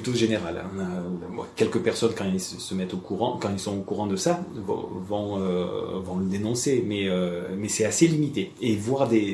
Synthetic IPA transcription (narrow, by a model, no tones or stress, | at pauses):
pyt̪oʒeneʁalɔ̃nabɛ̰kʲɛlkəpɛʁsɔnkɑ̃ɛlsəsəmɛt̪okuʁɑ̰̃kɑ̃ɛlsɔ̃okuʁɑ̃d̪əsavɔ̰̃vɔ̃øvɔ̃ləd̪enɔ̃semɛømɛsɛaselimit̪eevwaʁd̪e